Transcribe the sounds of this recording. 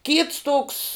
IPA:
kʲiːts toːks

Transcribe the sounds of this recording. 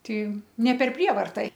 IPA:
ˈtʲɪ nʲɛ pʲɛr ˈpʲrʲiɛʋɐrtɐ

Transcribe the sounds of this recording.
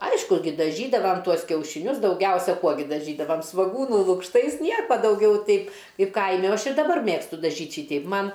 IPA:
ˈɐɪʃkʊ ˈɡʲɪ dɐˈʒʲiːdɐʋɐm ˈtuɔs kʲɛʊʃʲɪˈnʲʊs dɐʊˈɡʲɛʊsʲɛ ˈkuɔ ɡʲɪ dɐˈʒʲiːdɐʋɐm sʋoːˈɡuːnuː lˠʊkʃˈtɐɪs ˈnʲiɛkoː dɐʊˈɡʲɛʊ ˈtɐɪp ˈkɐɪp ˈkɐɪmʲɪ oː ˈɐʃ ɪr dɐˈbɐr ˈmʲeːkstʊ dɐˈʒʲiːtʲ ˈʃʲiːtʲɛɪp ˈmɐn

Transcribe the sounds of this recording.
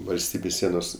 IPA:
ʋɐlʲˈsʲtʲiːbʲeːs ˈsʲiɛnoːs

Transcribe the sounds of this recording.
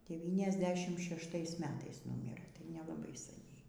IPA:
dʲɛˌʋʲiːnʲɛzʲˈdʲæːʃʲɪmt ʃʲɛʃˈtɐɪs ˈmʲæːtɐɪs ˈnʊmʲɪrɘ tɐɪ nʲɛlˠɐˈbɐɪ sɐˈnʲɛɪ

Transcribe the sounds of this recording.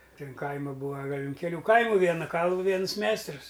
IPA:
ˈtʲɪn ˈkɐɪmɐ ˈbuːɐ ˈɡɐlʲ ʊn kʲɛˈlʲuː ˈkɐɪmʊ ˈʋʲiɛnɐ ˈkɐlˠʋʊ ˈʋʲiɛnʊs ˈmʲɛɪstrʊs

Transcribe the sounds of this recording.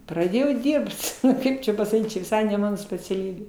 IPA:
prɐˈdʲeːjɛʊ ˈdʲiːrpt ˈkɐɪp t͡ʃʲɛ pɐsɐˈkʲiːt t͡ʃʲɛ ʋʲɪˈsɐɪ nʲɛ ˈmɑːnoː sʲpʲɛt͡sʲɛˈlʲiːbʲeː

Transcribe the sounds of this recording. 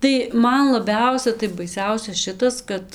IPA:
tɐɪ ˈmɐn lˠɐˈbʲɛʊsʲɛ tɐɪ bɐɪˈsʲɛʊsʲɛ ˈʃʲɪtɐs ˈkɐt

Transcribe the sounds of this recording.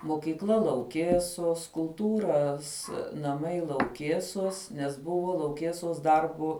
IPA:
moːkʲiːkˈlˠɐ lˠɐʊˈkʲeːsoːs kʊlˠˈtuːrɐs nɐˈmɐɪ lˠɐʊˈkʲeːsoːs nʲɛs ˈbʊʋoː lˠɐʊˈkʲeːsoːs ˈdɐrboː

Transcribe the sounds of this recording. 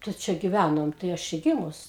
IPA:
tɐɪ ˈt͡ʃʲɛ ɡʲɪˈʋʲænoːm tɐɪ ˈɐʃ t͡ʃʲɛ ˈɡʲɪmʊs

